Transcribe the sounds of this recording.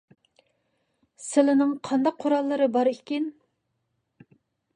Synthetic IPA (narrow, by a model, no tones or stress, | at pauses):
sɪlɪnɪŋqʰɑnd̪ɑqʰːoɾɑlˠːɨɾɨbɑɾikʲin